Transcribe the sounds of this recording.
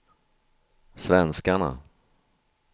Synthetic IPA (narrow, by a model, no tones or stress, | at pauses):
svɛnskaɳa̰